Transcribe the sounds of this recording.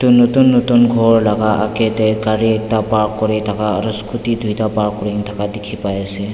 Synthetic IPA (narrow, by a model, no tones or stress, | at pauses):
tunɔtunːɔtunɡʱɔɹlaɡaʔa̰kɛtɛkaɹiɛk̚tapaɾkːɔɹɛtʰakaɾɔskutidʱujtapaɹkːɔɹintʰakadɛkʰipajasɛ